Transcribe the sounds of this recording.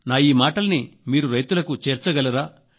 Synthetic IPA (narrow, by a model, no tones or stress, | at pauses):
naːjiːmaːʈɐlɐnimiːɾuɾɐjt̪ulɐkut͡ʃeːɾt͡ʃɐɡɐlɐɾaː